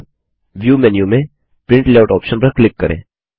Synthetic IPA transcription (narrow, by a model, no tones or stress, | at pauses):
ʋjuːmɛnjumẽ | pɾɪ̃ɳʈlaːʊʈɔːpʃənpɐɾklɪkːɐɾḛ̃ː